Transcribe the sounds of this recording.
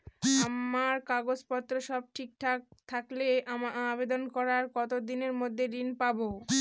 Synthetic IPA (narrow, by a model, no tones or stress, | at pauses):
amaɾkaɡod͡ʑpɔt̪ːɾoʃɔb̚ʈʰik̚ʈʰakt̪ʰakleamaabed̪onkɔɾaɾkɔt̪od̪ineɾmod̪ʱːeɖinpabo